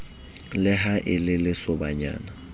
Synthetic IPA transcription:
lɪɦaʔɪlɪlɪsɔbaɲa̰ːna

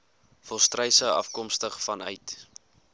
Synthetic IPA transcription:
fɔlˠstrɛjsəwɐ̰fkɔmstəχfɐnœɥt

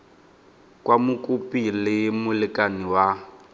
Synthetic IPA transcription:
kwamʊkʼupʼilɪmʊlɪkʼaniwa

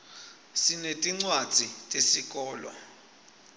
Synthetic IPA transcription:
sinetʼiŋ͡ǀwad̥z̥ʱitʼesik̬ʼɔːlɔ̰

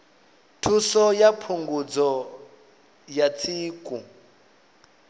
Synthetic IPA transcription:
tʰusɔjapʰuŋɡud͡zɔ | jat͡sʰiːkʼu

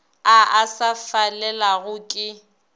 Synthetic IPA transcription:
aʔasafalɛlaɣʊkʼɪ

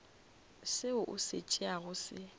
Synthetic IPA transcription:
sɪʊʔʊ̰sɪt͡ʃʼɪaɣʊsɪ

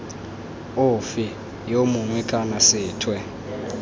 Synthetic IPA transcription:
ʊfi | jomuŋwɛkʼanasɪːtʰwɛ

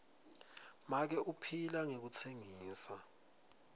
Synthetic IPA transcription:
mak̬ɛʔupʰilaŋek̬ut͡sʰeŋiːsa

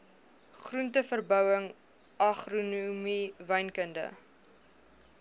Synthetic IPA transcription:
χruntəfərbœwəŋ | ʔɐχrunumivɛjnkəndə̰

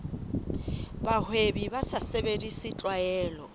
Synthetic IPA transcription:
bahwebibasasebedisɪt͡ɬʼwajɛːlɔ

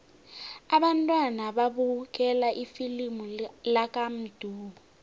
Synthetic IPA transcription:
aɓantʼwanaɓaɓuk̬ʼɛlaʔifilimulak̬ʼam̩d̥ʱuːɓɔ

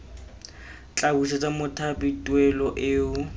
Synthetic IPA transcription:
t͡ɬʼabusɛt͡sʼamʊtʰabitʼwɛlɔʔɪʊ

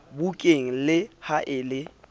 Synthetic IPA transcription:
bukʼeŋ̩lɪhaʔɪːlɪ

